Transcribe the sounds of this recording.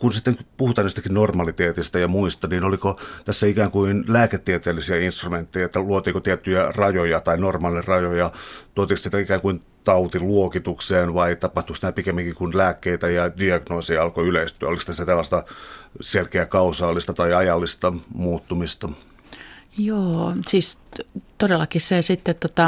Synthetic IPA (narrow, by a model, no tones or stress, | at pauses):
kunsit̪ːeŋkpuhut̪ˑɑːnist̪ækinnormɑlit̪eːt̪ist̪æjɑmuist̪ɑniːnolikot̪æsːæikæːŋkuinlæːket̪ːiet̪eːlisiæinst̪rument̪ːejæet̪ːæluot̪iːkot̪iet̪ːyjærɑjojɑt̪ɑinormɑlinerrɑjojɑt̪uot̪iksniːt̪æikæːŋkuin | t̪ɑut̪iluokit̪ukseːnʋɑit̪ɑpɑht̪uksit̪æpikemːiŋkikunlæːkːeit̪æjɑdiɑɡnoːsijɑlkoyleist̪yæolist̪æsːæt̪elːɑst̪ɑselkeækɑusɑːlːist̪ɑt̪ɑiɑjɑlːist̪ɑmuːt̪ːumist̪ɑ | joːsiːst̪odelːˑɑkissesit̪ːet̪t̪ot̪ɑ